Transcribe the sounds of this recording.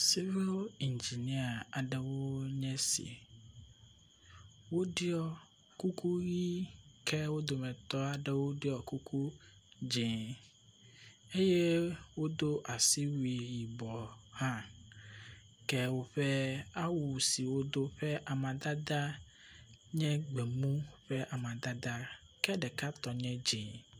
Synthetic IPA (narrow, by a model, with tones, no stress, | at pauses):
si˦vi˦li˨nd͡ʒi˨ni˦a˨a˨ɖɛ˨wo˦ɲɛ̃˦sḭ˨ | wo˦ɖi˦ɔ˨ | ku˦kʰu˦ɣi˦kʰɛ˦wo˦d̪o˨mɛ̃˨t̪ɔ˦a˨ɖɛ˦wo˦ɖi˦ɔ˨ku˦kʰu˦d͡ʒẽ˨ | e˦je˦wo˦d̪o˦ʔa˨si˦wi˨ji˨bɔ˨hã˦ | kɛ˦wo˦ɸɛ˦a˦wu˨si˨wo˦d̪o˦ɸɛ˦ʔa˨mã˨d̪a˦d̪a˦ | ɲɛ̃˦ɡ͡bɛ˨mũ˦ɸɛ˦ʔa˨mã˨d̪a˦d̪a˦ | kɛ˦ɖɛ˨ka˦t̪ɔ˨ɲɛ̃˦d͡ʒẽ˨